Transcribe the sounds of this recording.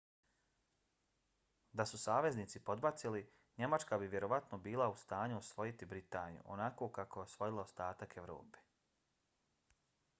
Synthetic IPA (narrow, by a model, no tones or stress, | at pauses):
d̪asusaːʋe̞zniːt̪sipo̞d̪bat̪sili | ɲe̞mat͡ʃkabiʋje̞ɾo̞ʋat̪nobiːlaust̪aːɲuosʋo̞jit̪ibɾit̪aːnijṵʔo̰nako̞ːkako̞eosʋo̞jilˠaost̪aːt̪akeʋɾo̰ːpe̥